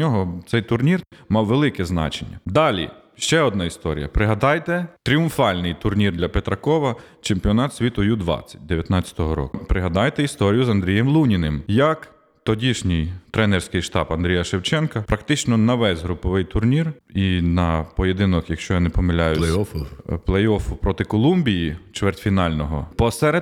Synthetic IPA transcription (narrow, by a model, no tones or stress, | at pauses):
nʲɔɦɔt̪sɛjt̪ʊrnʲirmɑwʋelˠɪkɛznɑ̰t͡ʃenʲːɐ̰d̪ɑlʲḭ | ʃt͡ʃɛɔd̪nɑist̪ɔɾʲijɐpɾɪɦɐd̪ɑjt̪ɛt̪ɾʲiʊmfɑlʲnɪjt̪ʊrnʲird̪lʲɐpet̪ɾɐkɔʋɐ | t͡ʃempʲiɔnɑt̪sʲʋʲit̪ʊjud̪ʋɑ̰t͡sʲːɐ̥t̚ʲd̪eʋʲjɐt̪nɑt͡sʲːɐ̥t̪ɔɦɔɾɔ̰kʊpɾɪɦɐd̪ɑjt̪ɛist̪ɔɾʲijʊzɐnd̪ɾʲijɛmlˠunʲinɪmjɐk | t̪ɔdʲiʃnʲɪjt̪ɾɛnɛrsʲkɪjʃt̪ɑbɐnd̪ɾʲijɐʃewt͡ʃɛnkɐpɾɐkt̪ɪt͡ʃnɔnɐʋɛzʲɦɾʊpɔʋɪjt̪ʊrnʲirinɐpɔjed̪ɪnɔkjɐkʃt͡ʃɔjɐnɪpɔmelʲajʊ | plˠejɔfʊpɾɔt̪ɪkɔlˠumbʲijit͡ʃʋɛrt̪ʲfʲinɑlʲnɔɦɔ̰pɔsɛɾe